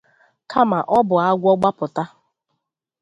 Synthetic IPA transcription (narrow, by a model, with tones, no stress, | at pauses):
ka˦ma˨ʔɔ˦bʊ˨a˦ɡʷɔ˦ɡ͡ba˦pʊ˨ta˦